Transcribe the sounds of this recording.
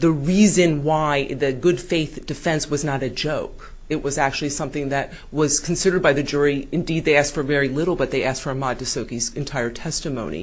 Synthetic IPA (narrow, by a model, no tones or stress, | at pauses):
ðɨɹizɨ̃nwaɪðɨɡʊd̥feɪθd̥ɨfɛ̃nswʌznəɾɨd͡ʒoʊk | ɨt̚wʌzæk̚t͡ʃʉl̩ˠisʌ̃mθɪ̃ŋðɨt̚ | wʌz̥kʰn̩sɪɾə˞d̚baɪðɨd͡ʒʊɹiɨ̃ndid̪̚ðeɪæstfə˞vɛɹilɪɾl̩ˠbʌt̪̚ðeɪæstfə˞ɨmɑd̚dɨsoʊkizɨ̃ntʰaɪə˞tʰɛstɨmõʊ̃nḭ